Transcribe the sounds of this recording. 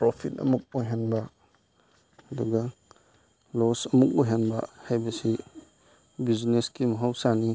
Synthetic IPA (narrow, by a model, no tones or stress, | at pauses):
pɾopʰit̚ɐ̰muk̚ojɦanbɐ | ɐduɡɐ | losɐmuk̚ojɦanbɐ̰hajbɐsi | bizneskimɐɦawsani